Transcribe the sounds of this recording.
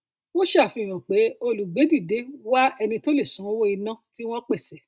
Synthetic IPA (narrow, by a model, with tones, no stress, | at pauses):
w̃ɔ̃˦ʃa˦˨fi˧˨j̃ɔ̃˨k͡pe˨˦o˧lu˨ɡ͡be˨˦di˦˨de˨˦wa˦ɛ˧nĩ˧to˦le˦˨sũ˨˦wo˦i˧nã˦˨ti˦w̃ɔ̃˦k͡pe˦˨sɛ˨